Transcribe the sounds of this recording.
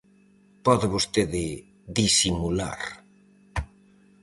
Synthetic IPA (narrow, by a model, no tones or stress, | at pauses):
pɔðɪβost̪eðɪ | ðisimula̰ɾ